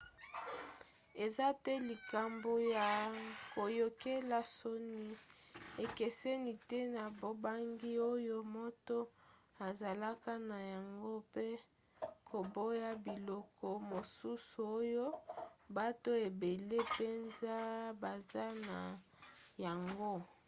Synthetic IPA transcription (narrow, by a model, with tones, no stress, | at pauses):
e˨za˦tɛ˦li˨ka˨mbo˨ja˨ko˨jo˨ke˦la˨so˦ni˦ | e˨ke˨sɛ˦ni˨tɛ˦na˨bo˦˨ba˦ŋɡi˦o˦jo˦mo˦to˦a˨za˨la˦ka˦na˨ja˨ŋɡo˦pe˦ | kʰo˨bo˦ja˦bi˨lɔ˦kʰɔ˦mo˨su˦su˨o˦jo˦ba˦to˦e˨be˨le˦pe˦nza˦ba˨za˦na˨ | ja˨ŋɡo˦